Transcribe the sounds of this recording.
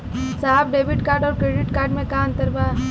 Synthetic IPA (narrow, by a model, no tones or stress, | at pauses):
saːɦb̚ɖeːʋɪʈkaːɾɖɔːɾkɾeːɖɪʈkaːɾɖmẽkaə̃nt̪əɾbaː